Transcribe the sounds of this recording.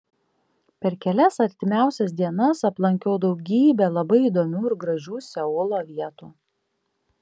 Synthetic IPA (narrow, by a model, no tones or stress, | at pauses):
pʲɛɾkʲɛlʲɛsɐɾʲt̪ʲɪmʲæˑʊsʲɛs̬d̪ʲiɛnɐsɐplˠɐŋʲkʲɛʊd̪ɒʊɡʲiːbʲɛlˠɐbɐɪid̪oːmʲuːɪɾɡɾɐʒʲuːsʲɛʊlˠoːʋʲiɛt̪uː